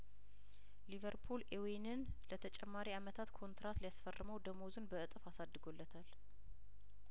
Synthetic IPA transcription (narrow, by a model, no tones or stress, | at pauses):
livəɾpʰulewinɨn | lət̪ʰət͡ʃʼɛmːaɾiamət̪ʰat̪kʰo̞nt̪ɾat̪lijasfərːɨməwd̪əmozɨnbəɨt̪ʼɨfasad̪ːɨɡo̞lːət̪ʰal